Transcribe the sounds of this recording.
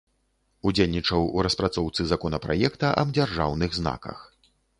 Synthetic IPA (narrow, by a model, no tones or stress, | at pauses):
ud͡zʲelʲnʲit͡ʂɐwuɾɐspɾat̪sɔwt̪sɨzakɔnɐpɾa̰jɛkt̪ɐʔɐ̰bd͡zʲarʐawnɨɣzna̰kɐ̰x